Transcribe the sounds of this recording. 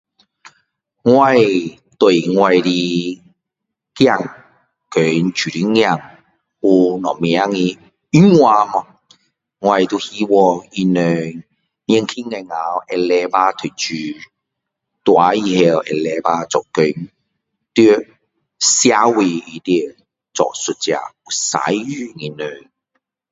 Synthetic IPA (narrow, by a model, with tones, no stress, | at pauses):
ŋwa˧˨j | t̪we˨˩jŋwa˧jɾi˧ | kja˥˧˨ŋ | kø˨˦nt͡ɕy˨ɾi˧˦ŋja˥˧˨ŋ | u˧nɔ˨˩mja˦ŋi˧ | i˦ŋwa˧mɔ˧ | ŋwa˧jt̪u˧hi˦wɔ˧i˧nø˧˨ | ɲɛ˧ŋkʰi˦˥ŋa˧ŋa˨wʔɛ˧lɛ˧pa˧t̪ʰø˨t͡ʃy˨˩ | t̪wa˨˧˦ji˧hɛ˧wɛ̰˧lɛ˧paː˧t͡sɔ˨˩kø˨n | t̪y˦˧ | sja˧˥we˧i˧t̪i˧˦˨ | t͡sɔ̰˨su˨˧t̚t͡sja̰˧˩u˨˩sa̰˨˦jy˧ŋi˧nø˨˧ŋ